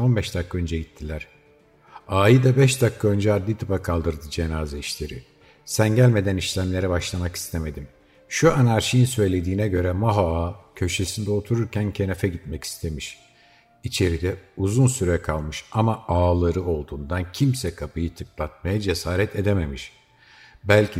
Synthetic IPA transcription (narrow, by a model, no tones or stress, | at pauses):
o̞nbɛʃd̪akʰːaø̞nd͡ʒɛɟit̪ʰːilʲæɾ̥ | aːjɯd̪abɛʃd̪akʰːaø̞nd͡ʒɛad̪lʲit̪ʰɯpakʰalˠd̪ɯɾd̪ɯd͡ʒenaːzɛiʃlʲeɾi | sænɟælʲme̞d̪æniʃlʲæmlʲe̞ɾibaʃlˠamaki̥st̪ʰeme̞d̪im | ʃuanaɾʃijinsø̞jlʲe̞d̪iːnɛɟø̞ɾɛmaɦoaːcʰø̞ʃe̞sind̪ɛo̞t̪ʰuɾuɾcʰæncʰe̞nefɛɟit̪mɛci̥st̪ʰe̞miʃ | it͡ʃʰe̞ɾid̪ɛuzunsyɾɛkʰalˠmɯʃamaaːlˠaɾɯo̞lˠd̪uːnd̪ancʰimsɛkʰapʰɯjɯt̪ʰɯklˠat̪̚majad͡ʒe̞saːɾɛt̪ʰe̞d̪eme̞miʃ | bælʲcʰi